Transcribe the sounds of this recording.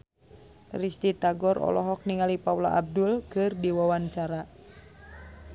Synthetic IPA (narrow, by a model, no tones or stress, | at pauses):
rist̪it̪aɡɔɾɔ̰lɔɦɔk̚niŋalipaula̰ʔab̚dulkɨrdiwawaɲt͡ʃaɾa